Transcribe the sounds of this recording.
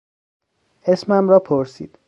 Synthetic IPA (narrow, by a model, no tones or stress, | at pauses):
e̞smæmɾɒːpʰoɾsḭːd̪̥